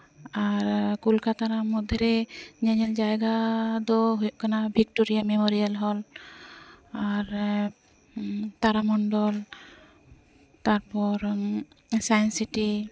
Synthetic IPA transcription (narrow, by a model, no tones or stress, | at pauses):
aɾkulkʰat̪aɾamɔd̪ʱɛɾɛɲɛɲɛld͡ʒajɡad̪ɔɦujɔʔkanabʱik̚toɾijamemoɾijalɦɔl | aɾ | t̪aɾamɔnɖɔl | t̪aɾpɔɾ | sajnsiti